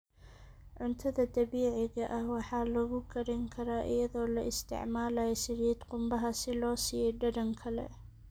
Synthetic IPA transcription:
ʕʊnt̪ʰɐðɐd̪ɐβiːʕɪɣɐʔɐhwɑħɑːlɐɣʊɡʰɐɾɛŋkʰɐɾaːʔɪ̰jɐðɔːlɐʔɪst̪ʰɪ̰ʕmaːlɐjɐsɪɾɛd̪qʊmbɐɦɐsɪlɔːsɪjɛɖɐdɐŋkʰɐlɛ̰

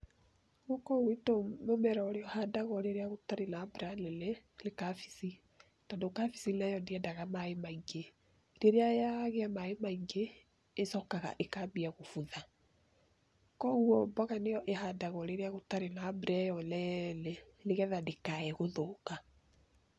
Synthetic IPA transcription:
ɣokɔwetomomɛɾaoɾeɔhadaɣɔɾeɾeaɣotaɾenabɾalelelekafi̥si | tandokafi̥silɛjɔndeɛdaɣamaemaiɡe | ɾeɾeajaɣeamaemaiɡeː | sɔkaɣa̰ʔekabiaɣofuða | kɔɣuɔbɔɣanejɔʔeɦadaɣɔɾeɾeaɣotaɾenabɾɛjɔlɛleleɣɛðadekaɛɣoðoka

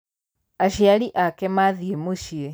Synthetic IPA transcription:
aʃialiʔakemaðiemuʃie

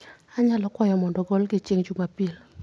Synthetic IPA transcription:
aɲalɔkwɔjɔmɔndɔɡɔlɡɪt͡ʃiŋt͡ʃumapil

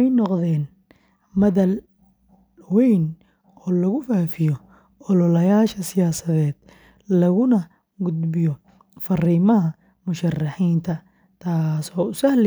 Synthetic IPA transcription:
ɛjnɔqðɛːn | mɐðɐl | wɛjn | ɔːlɐɣʊfaːfɪjɔ | ɔlɔlɐjaːʃɐsɪjaːsɐðɛːd̪̥ | lɐɣʊnɐ | ɡʊd̪bɪjɔ | fɐriːmɐɦɐ | mʊʃɐrːɑħiːnt̪ʰɐ | t̪ʰaːsɔːʊsɐhlɛ

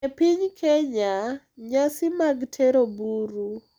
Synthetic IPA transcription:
epiɲkʰɛɲa | ɲasɪmaɡtʰɛɾobuɾu

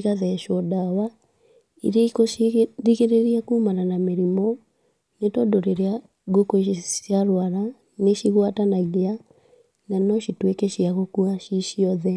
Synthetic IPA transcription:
ɣaðɛʃoɔdawa | ḭɾeikoðiɣeɾeɾiakuːmananameɾimɔ | netɔdoɾeɾea | ɡokosiaɾwaɾa | neʃiɣwatanaɣea | nanɔʃitwekɛʃiaɣokuaʃiʃiɔðɛ

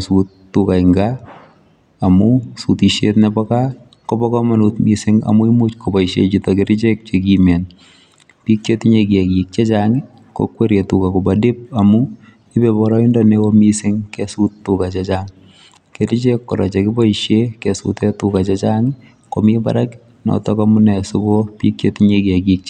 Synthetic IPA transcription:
sutːukaɪŋɡa | mʊsutiʃetnɛbɔka | kɔbɔkɔmanutmisɪŋa̰muimut͡ʃkɔbɔiʃet͡ʃitɔkeɾɪt͡ʃek̚t͡ʃek̬imɛn | pik̚t͡ʃetɪɲekiɛkjik̚t͡ʃet͡ʃaŋɪ | kɔ̰kweɾetukakʊbadɪp̚amu | ɪbebɔɾɔindɔnekomisɪŋkɛsutːukat͡ʃet͡ʃaŋ | keɾit͡ʃekːɔɾa̰t͡ʃekɪbɔiʃjekɛsṵtetukat͡ʃet͡ʃaŋɪ | komiba̰ɾak | nɔ̰tɔkamunɛsʊkopik̚t͡ʃetɲekeɡik̚t͡ʃ

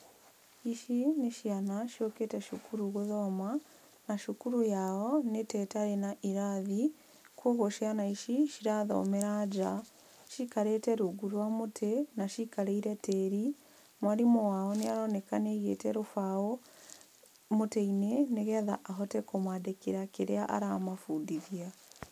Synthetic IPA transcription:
iʃineʃjanaʃioketɛʃukuɾuɣoðɔma | naʃukuɾujaɔnetɛtaɾenaʔiɾaði | kʰoːɣoʃianaiʃiʃiɾaðɔ̰ːmeɾad͡ʒa | ʃikaɾetɛɾoɡuɾwamotʰɛnaʃikaɾeiɾɛtɛɾi | mwaɾimowaɔneaɾɔnɛkaneɣḛtɛɾofaɔ | motɛineneɣɛða̰ʔaɦɔtɛkomwaːdekeɾakeɾeaʔa̰ɾamafudiðia

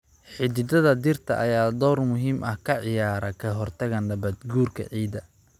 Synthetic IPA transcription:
ħɪd̪ɪd̪ɐðɐd̪ɪrt̪ʰɐ̰ʔɐjaːd̪ɔːrmʊɦiːmʔɐhkʰɐʕɪjaːɾɐkʰɐɦɔrt̪ʰɐɣɐnlɐbɐd̪ɡuːrkʰɐ̰ʕiːd̪ɐ

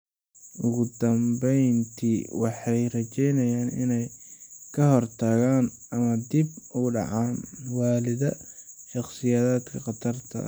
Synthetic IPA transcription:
ʔʊɣʊd̪ɐmbɛjnt̪ʰiwɑħɑjrɐt͡ʃɛjnɐjaːnɪ̰nɛjkʰɐɦɔrt̪ʰaːɣaːn | ɐmɐd̪ibʊɖɑ̰ʕɑːnwaːlɪðɐʃɑχsɪjaːðaːd̪kʰɐqɑt̪ʰɐrt̪ʰɐ̰

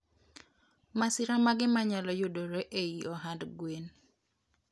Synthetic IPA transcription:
masiɾamaɡɪmaɲalɔjodoɾeʔeiʔɔɦandɡwen

